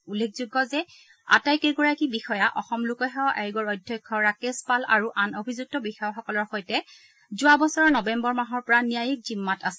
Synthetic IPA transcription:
ulːek̚ʰzuɡɔzɛ | a̰tajkɛɡɔɹakibixɔjaʔɔ̰xɔmlʊkɔɦɛɔʔaɹɡɔɹɔjdʱjɔjkʰːɔɹakespalaɹuʔanobʱizuk̚tɔbixɔjaxɔkɔlɔɹxojtɛ | zʊabɔsɔɹɔnɔbɛmbɔɹmaɦɔɹpɔɹanijajik̚zimːatasɛ

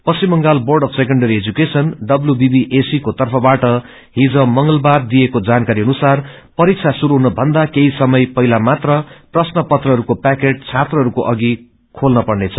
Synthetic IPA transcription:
pʌsimːʌŋɡalborɖʌpʰsek̬ʌɳɖʌɾied͡zukesʌnɖʌbljubibiʔesikot̪ʌrpʰʌbaʈʌ | ɦid͡zʌ̃mʌŋɡʌlbard̪ijekod͡zankaɾiʌnusar | pʌɾik̚t͡sʰasuɾuɦunʌbʱʌnd̪akeɦisʌmʌjpʌɦilamat̪rʌprʌsnʌpʌt̪rʌɦʌɾukopakeʈ̚t͡sʰat̪rʌɦʌɾukoʔʌɡi | kʰolnʌpʌrnet͡sʰʌ

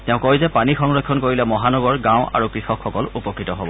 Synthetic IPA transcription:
tɛʊ̃kojzɛpanixɔŋɹɔkʰːɔnkoɹilɛmɔɦanɔɡɔɹɡãw̃a̰ɹukɹixɔkʰxɔkɔlupɔkɹitɔɦobɔ

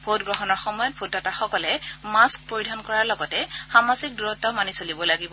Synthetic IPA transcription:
bʱotɡɹɔxɔnɔɹxɔmɔjɔt̚bʱutɔtaxɔkɔlɛmask̚poɹidʱɔnkɔɹaɹlɔɡɔtɛxamazik̚duɹɔtːɔmanisolibɔlaɡibɔ

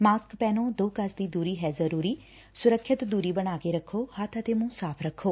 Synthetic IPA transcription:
maːskpɛːnõːd̪oːkəsd̪iːd̪uːɾiːɦɛːzəɾuːɾiː | sʊɾəkʰːɪt̪d̪uːɾiːbəɽ̃aːkeːɾəkʰːoːhat̪ʰət̪eːmũːsaːpʰɾəkʰːoː

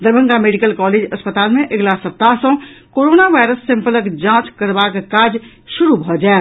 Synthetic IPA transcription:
d̪əɾbʱə̃ŋɡameːɖɪkəlkɔːleːd͡ʒɐspət̪aːlmẽʔɐɡlaːsɐp̚t̪aːɦsõkoːɾoːnaʋaːɪɾəsːɪ̃mpələkd͡ʒãːt͡ʃkəɾbakkaːd͡ʒ | ʃʊɾubʱɔd͡ʒaːe

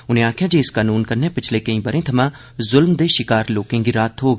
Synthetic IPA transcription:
ʊnẽːaːkʰjaːd͡ʒeːɪskaːnuːnkəɾneːpɪt͡ʃʰlekəĩːbəɾẽːt̪ʰɐmãː | zʊlmd̪eːʃɪkaːɾloːkẽːɡiɾaːt̪ɦoːɡ

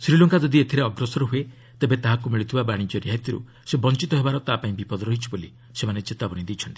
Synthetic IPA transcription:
sɾilɔŋkad͡ʒɔd̪iet̪ʰiɾeɔɡɾɔsɔɾɔɦue | t̪ebet̪aɦakumiɭit̪ʰibabaɽ̃id͡ʒɔɾiɦat̪iɾṵ | sebɔnt͡ʃit̪ɔɦebaɾɔt̪apaĩbipɔd̪ɔɾɔɦit͡ʃʰiboli | semanet͡ʃet̪abɔñid̪it͡ʃʰɔnt̪i̥

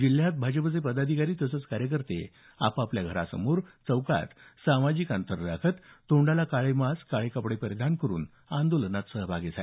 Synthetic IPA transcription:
d͡ʑil̤jat̪̚bʱad͡ʑəpət͡sepəd̪ad̪ʱikaɾiːt̪əsət͡skaɾjək̬əɾt̪ḛ | a̰papljaɡʱəɾa̰sə̰moːɾt͡səwka̰t̪samad͡ʑiːkant̪ʰəɾɾakʰət̪ːoɳɖalakaɭemaskaɭekəpɽepəɾəd̪ʱankəɾṵːn | and̪olənat̪səɦbʱaɡesa̰

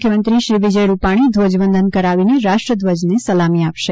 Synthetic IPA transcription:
kʰjəmənt̪ɾiʃɾiʋɪd͡ʒəjɾupaɽ̃id̪ʱʋəd͡ʒʋənd̪ʱənkəɾaʋineɾaʃʈɾəd̪ʋəd͡ʒnesəlamiapʃe

